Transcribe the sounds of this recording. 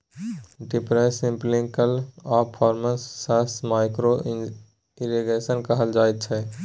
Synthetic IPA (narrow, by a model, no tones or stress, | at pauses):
ɖɪpɾɛːsɪ̃mplɪ̃ŋkəlɔːɾpʰɔːɾməsːasmaːɪkɾo | ɪɾiɡeːsənkəɦəld͡ʒaːet̪̚t͡ʃʰɛ